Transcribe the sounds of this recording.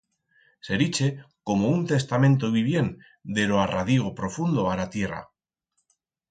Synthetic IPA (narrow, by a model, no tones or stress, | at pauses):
se̞ɾit͡ʃe̞ | ko̞mount̪e̞st̪amẽ̞nt̪oβiβ̞je̞n | d̪e̞loaraðiɣopɾo̞fund̪o̞alat̪je̞ra̰